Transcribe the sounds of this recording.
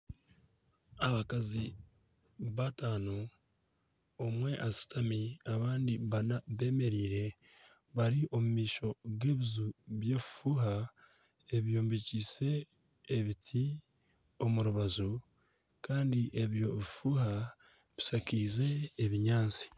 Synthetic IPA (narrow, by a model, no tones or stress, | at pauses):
aβakazi | βataːno | mwe̞ʔasi̥tʰamiaβaːndiβanaβe̞ːme̞ɾiːɾe̞ | βaɾiʔo̞mumiːʃo̞ɡe̞ːβizuβje̞ːβifuːɦa | eβijoːmbicise̞ː | βitʰi | o̞muɾuβazu | kaːndiʔeβjo̞βifuːha | βisakiːze̞ːβiɲaːnt͡si̥